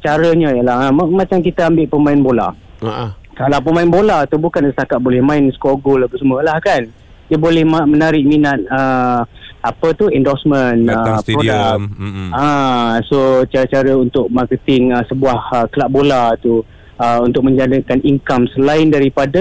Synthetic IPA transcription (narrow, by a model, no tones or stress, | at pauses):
t͡ʃaɾəɲəjəlahəməmat͡ʃamkit̪əambɪʔpəmãɪnbola̰ | kalapəmaɪnbolat̪ubukansəst̪akat̪̚bolɛhmãɪnskoɡʊlbəsuməlahkan | diəbolɛhmamənaɾɪʔ̚minat̪̚ə | apət̪uɛndɔsmə̃nəpɾodakasot͡ʃaɾət͡ʃaɾəunt̪ʊk̚markət̪ɪŋəsəbuahəkəlaʔ̚bolat̪u | əunt̪ʊk̚mə̃ɲd͡ʒadəkaniŋkamsəlaɪndaɾipadə